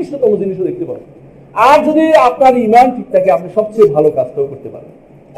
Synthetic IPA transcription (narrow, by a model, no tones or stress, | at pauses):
iʃok̪ɔmod͡ʑiniʃ̬od̪ek̚t̪epaɾḛ | aɾd͡ʑod̪iap̚naɾimanʈʰik̚t̪akeapniʃɔb̚t͡ɕebʱalokad͡ʑt̪ʰobokoɾt̪epa̰ɾḛn